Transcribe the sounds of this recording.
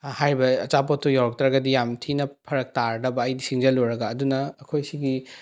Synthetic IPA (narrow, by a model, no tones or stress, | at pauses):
haɾibɐːt͡ʃapotʰːojawɾɐk̚tɾɐɡɐdijamtʰinɐpʰɐɾɐk̚taɾdɐbɐːjdisiŋd͡ʒɐloɾɐɡɐːdunɐːkʰojsiɡi